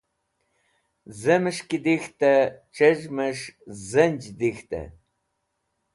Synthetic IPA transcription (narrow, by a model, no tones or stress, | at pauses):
zɐmɨʂkid̪ixt̪ʼɐʈ͡ʂʰʼɐʒmɐʂzɐnd͡ʒd̪ixt̪ʰʼɐ̰